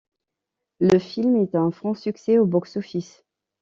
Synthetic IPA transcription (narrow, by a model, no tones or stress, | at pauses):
ləfilmɛt̪ɛ̃fχɑ̃syksɛobɔksofis